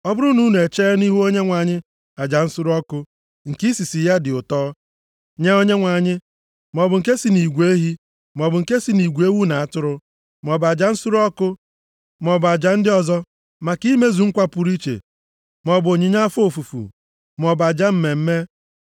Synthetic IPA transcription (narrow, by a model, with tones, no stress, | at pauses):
ɔ˦bʊ˦ɾʊ˦nu˦n˨e˨t͡ʃeː˦ni˦ɦu˦o˦ɲe˦ŋʷa˨ɲɪ˦ | a˨d͡ʒa˨n̩˦su˦ɾɔ˦kʊ˦ | ŋ̩˨ki˦si˨si˨ja˦dɪ˨ʊ˨tɔː˦ | ɲe˦o˦ɲe˦ŋʷa˨ɲɪ˦ | m˨ɔ˨bʊ˨ŋ̩˨ke˦si˨ni˨ɡʷe˦ɦi˦ | m˨ɔ˨bʊ˨ŋ̩˨ke˦si˨ni˨ɡʷe˦wu˦na˨a˦tʊ˦ɾʊ˦ | m˨ɔ˨ba˨d͡ʒa˨n̩˦su˦ɾɔ˦kʊ˦ | m˨ɔ˨bʊ˨a˨d͡ʒa˨n̩˦dɪ˦ɔ˦zɔ˦ | ma˨ki˦me˦zu˨ŋ̩˦kʷa˦pu˨ɾi˦t͡ʃḛ˨ | mɔ˨bo˨ɲɪ˨ɲa˦fo˨fu˨fṵ˨ | m˨ɔ˨ba˨d͡ʒa˦m̩˦me˨m̩˦me˦